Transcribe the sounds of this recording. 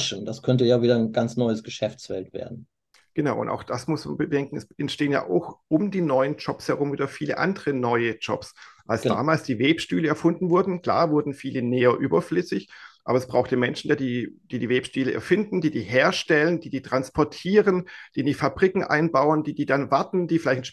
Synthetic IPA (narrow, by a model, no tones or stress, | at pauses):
ʃn̩daskʰœntəjaːviːdɐnɡant͡snɔʏəsɡ̥əʃɛft͡sfɛltv̥ḛːɐdn̩ | ɡ̥ənaʊʔʊ̰nta̰ʊxd̥asmʊsma̰nbədɛŋkŋ̩ɛsʔɛntʃteːənja̰ːʔa̰ʊxʔʊmdiːnɔʏənd͡ʒɔpshɛɐʁ̞ʊmviːdɐfiːlə̰ʔa̰ndəʁənɔʏəd͡ʒɔ̰psʔalsd̥a̰ːmaːlsd̥iːveːpʃtyːləɛɐfʊndn̩vʊɐdn̩kl̥a̰ːɐvʊɐdn̩fiːləneːɐʔyːbɐflʏsɪçʔa̰ːbɐɛsb̥ʁaʊxtəmɛnʃn̩jaːdiːd̥iːdiːveːpʃtyːləʔɛ̰ɐfɪndn̩diːdiːɦeːɐʃtɛlənd̥iːdiːtʁ̥anspʰɔɐtʰiːʁənd̥iːɪndiːfabʁikŋ̩ʔa̰ɪnbaʊəndiːdiːdanvaɐtn̩d̥iːfɪlaɪçt